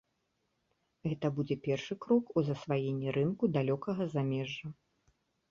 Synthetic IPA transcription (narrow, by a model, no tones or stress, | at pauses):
ɣɛt̪ɐbud͡zʲɛpʲɛrʂɨkɾɔkuzɐsvajenʲːiɾɨnkud̪alʲɔkɐɣɐzamʲɛʐːɐ